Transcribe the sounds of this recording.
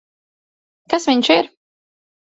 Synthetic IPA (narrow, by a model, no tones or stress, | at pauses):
kasviɲʃɪɾ